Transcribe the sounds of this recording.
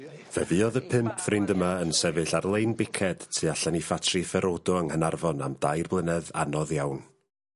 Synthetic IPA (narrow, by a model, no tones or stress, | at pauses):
v̥ɛ̰vɨɔðəpʰɪmpʰfrɪndəmaənsɛvɨɬarlˠejnbɪkʰɛd̥tʰiaɬanifatʰrifɛɾodɔəŋənarvɔna̰mdajrblˠɪnɛða̰nɔðjawn